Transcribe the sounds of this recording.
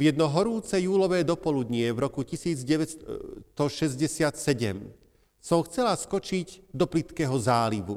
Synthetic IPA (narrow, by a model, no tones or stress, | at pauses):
vjɛd̪nɔɦɔɾuːt͡sɛjuːlɔʋɛːd̪ɔpɔlud̪ɲɪɛvɾɔkucisiːd͡zɟɛʋɛt̪ɔʃɛzɟɛsɪat̪sɛɟɛ̰m | sɔmxt͡sɛlaskɔt͡ʃiɟd̪ɔplit̪kɛɦɔzaːliʋṵ